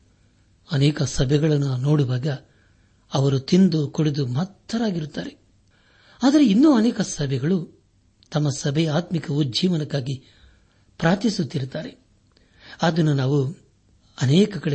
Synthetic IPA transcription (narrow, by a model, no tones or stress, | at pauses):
ɐnɛːkɐsɐbʱɛɡɐɭɐnːunoːɽuʋaːɡɐ | ɐʋɐɾut̪ind̪ukoɽed̪umɐt̪ːɐɾaːɡiɾut̪ːaːɾe | aːd̪ɐɾeinːuːɐnɛːkɐsɐbʱɛɡɐɭu | t̪ɐmːɐsɐbʱɛjaːt̪mikɐʋud͡ʒiːʋɐnɐkːaːɡi | pɾaːt̪isut̪ːiɾut̪ːaːɾe | ad̪ɐnːunaːʋu | ɐnɛːkɐkɐɽe